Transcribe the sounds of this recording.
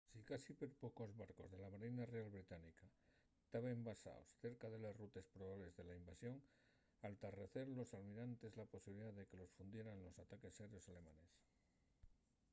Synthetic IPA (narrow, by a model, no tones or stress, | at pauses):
sikasipeɾpo̞ko̞zβaɾko̞̰zðe̞laβaɾenarealβɾit̪anika | t̪aβembasa̰o̰sθe̞ɾkaðe̞lasrut̪e̞spɾoβaβle̞zðe̞laimbasjo̞ŋ | alt̪are̞θe̞ɾlo̞salmiɾant̪e̞zlapo̞siβiliðaðe̞ke̞lo̞sfund̪je̞ɾanlo̞sat̪ake̞sːeɾjo̞sale̞mãne̞s